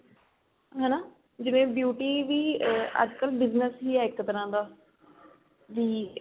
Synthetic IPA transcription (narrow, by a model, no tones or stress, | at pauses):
ɦɛːnaː | d͡ʒɪʋẽːbjuːʈiːʋiːə̰d͡ʒkəlbɪznəsɦiːɛːɪktt̪əɾãːd̪aː | ʋiː